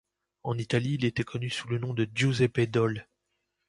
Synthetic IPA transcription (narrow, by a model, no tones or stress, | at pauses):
ɑ̃nit̪aliːlet̪ɛkʰɔnysulənɔ̃d̪əd̪ʒozɛped̪ɔl